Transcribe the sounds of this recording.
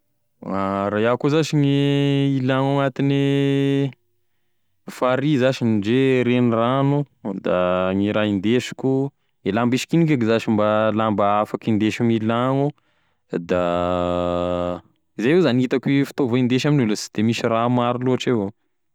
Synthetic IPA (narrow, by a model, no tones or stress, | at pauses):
aɾajakuzaʃiŋiilaŋaŋat̪ini | faɾizaʃinid͡ʒeɾeniranu | d̪aŋiɾaind̪eʃi̥kʲu | elambiʃi̥kinikakizaʃimbalambaafakind̪eʃiŋilaŋu | d̪a | izajezanit̪akifi̥t̪ovoind̪eʃaminulasi̥d̪̥emisiramaɾiluaʈ͡ʂewo